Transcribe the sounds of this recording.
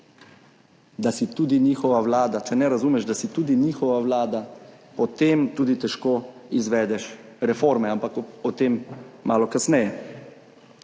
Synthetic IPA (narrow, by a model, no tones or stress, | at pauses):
d̪asit̪uːd̪iniːxɔʋawlaːd̪at͡ʃɛnɛɾazuːmɛʃd̪asit̪uːd̪iniːxɔʋawlaːd̪apɔt̪eːmt̪uːd̪it̪ɛʃkoizʋɛːd̪ɛʃɾɛfoːɾmɛampakɔt̪emːaːlɔkasnɛjɛ